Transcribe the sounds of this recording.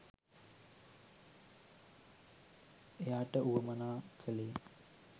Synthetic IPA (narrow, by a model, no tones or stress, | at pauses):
ejaːʈəuɡɐmɐnaːkʰəleː